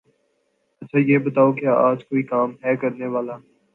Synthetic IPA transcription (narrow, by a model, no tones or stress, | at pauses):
ɐtːʃʰaːjeːbət̪aːokɪjaaːd͡ʒkoːiːkaːmɦɛːkɐɾneʋaːlaː